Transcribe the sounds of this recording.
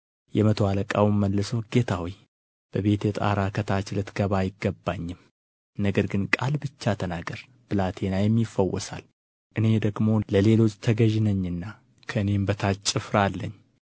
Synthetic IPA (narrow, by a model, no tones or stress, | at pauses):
jɛmət̪ʰəwaləkʼa̰wmːəlːɨso̞ɡ̥e̞t̪ʰawij | b̥əβe̞t̪jɛt̪ʼa̰ɾakʰət̪ʰat͡ʃlɨt̪ɡ̥əβajɪɡːəbːaɲːɨm | nəɡəɾɡɨnkʼalbɨt͡ʃːat̪ʰənaɡəɾ | b̥ɨlat̪ʰe̞najɛmːifːəwɔ̰sa̰l | ʔɨne̞d̪əɡmo̞ləle̞lo̞t͡ʃʼːt̪ʰəɡəʒɪnəɲːɨnːa | kʰəɨne̞mbət̪ʰat͡ʃʼːɪfɾalːəɲː